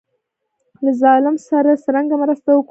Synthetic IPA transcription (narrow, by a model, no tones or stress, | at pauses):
lazɑlɪmsaɾasaɾaŋɡamɾast̪awək